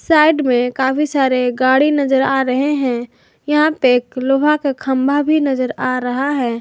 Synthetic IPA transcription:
saːɪɖmẽkaːfisaːɾeɡaːɽinɐzəɾaːɾɐɦeɦɛ̃ | jɐɦãpekloːbʱakekʰɐ̃mbʱabʱinɐzəɾaːɾɐɦaɦɛː

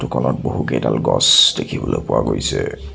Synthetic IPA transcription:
tʊkɔnɔt̚boɦuɡedalɡɔsdekʰibɔlopʊwaɡojsɛ

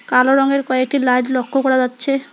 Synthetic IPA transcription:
kaloɾɔŋeɾkɔek̚ʈilajɖlɔkʰːokɔɾad͡ʑatːɕʰe

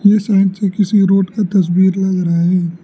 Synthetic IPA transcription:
jesãːɪ̃ɖsekɪsiɾoːʈkat̪ɐs̬biːɾlɐɡɾɐɦaɦɛ̃ː

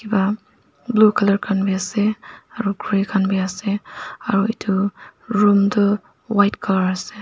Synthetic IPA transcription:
kʰiba | blukʰalɐɾkʰanbiaseaɾuɡʰɾikʰanbiaseɐɾuitʰuɾumdɯ | wajtkʰalaɾase

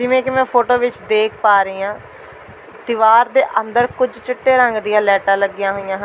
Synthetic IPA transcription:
d͡ʒɪʋẽːkɪmɛ̃ːpʰoːʈoːʋɪt͡ʃd̪eːk̚ʰpaːɾiːãː | t̪ɪʋaːɾd̪eːʔənd̪əɾkʊd͡ʒt͡ʃɪʈːeːɾəŋɡd̪ɪjãːlɛːʈãːləɡːɪjãːɦojãːɦə

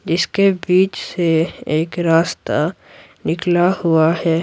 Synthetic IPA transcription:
d͡ʒɪskebiːt͡ʃseeːkɾaːst̪a | nɪklahʊaɦɛː

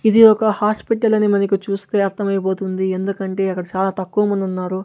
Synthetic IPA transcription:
id̪iɔkɐhaːspiʈɐlɐnimɐnɐkit͡ʃuːst̪e̞ːɐɾt̪ʰɐmɐjɐpoːt̪und̪iend̪ukɐɳʈe̞ːɐkːɐɽɐt͡ʃaːlaːt̪ɐkːuʋɐmɐnd̪unːaːɾu

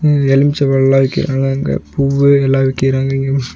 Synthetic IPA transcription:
ɛlɪmt͡ʃɐʋɐɛlːãːʋɪkːɪ̰ɾa̰ːŋɡɐŋɡɐ̰puːʋɯɛlːãːʋɪkːɪɾaːŋɡɐɪŋɡeː

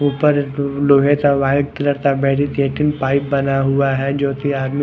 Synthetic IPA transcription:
upəɾloːɦet̪aʋaːɪɖt̪lɐɾt̪abɛːʈit̪eːʈinpaːɪp̚bɐnaɦʊaɦɛd͡ʒoːt̪iaːɾmi

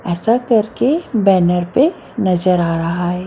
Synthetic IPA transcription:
ɛːsakɐɾkebɛːnəɾpe | nɐzəɾaːɾɐɦaɦɛː

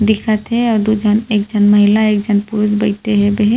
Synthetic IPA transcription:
d̪ɪkʰat̪ʰɛɔːɾd̪ud͡ʒaneːk̚d͡ʒanmɐɦɪlaeːkd͡ʒanpʊɾʊsbɐjt̪eɦɛ̃beɦ

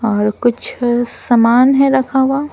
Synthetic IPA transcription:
ɔːɾkʊt͡ʃʰsɐmaːnɦɛɾɐkʰaːwaː

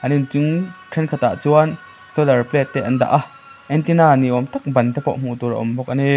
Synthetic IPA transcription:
ʔɐnint͡sʊnkʰɛnkʰɐt̪a̰ʔt͡suɐn | sɔlɛrplɛt̪ːɛʔɐnd̪a̰ʔa | ʔɛnt̪inaːniʔɔmt̪ɐk̚bɐnt̪ɛpɔ̰ʔm̥ut̪uɾʔa̰ʔɔ̰mbɔk̚ʔani

